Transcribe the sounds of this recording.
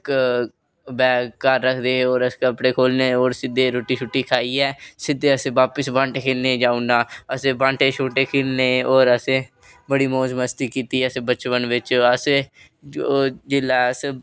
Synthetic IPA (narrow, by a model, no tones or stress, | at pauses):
k | bɛːkəɾːəkʰd̪eːoːɾəskəpɽeːkʰoːlneːoːɾsɪd̪eːɾoːʈiːʃʰʊʈːiːkʰaːiːɛːsɪd̪eːəseːʋaːpəsbãːɳʈeːkʰeːlneːd͡ʒaːunaːəsẽːbãːɳʈʰeːt͡ʃʰoːʈeːkʰeːlneːoːɾəsẽː | bəɽiːmoːzməst̪iːkiːt̪iːɛəseːbət͡ʃʋənʋɪt͡ʃəse | oːd͡ʒɪlaːəs